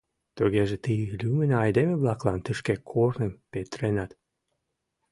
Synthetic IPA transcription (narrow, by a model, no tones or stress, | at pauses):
t̪əɣeʒet̪ilʲymənɑjd̪emeβlɑklɑnt̪əʃkekʰornəmpet̪ɾenɑt̪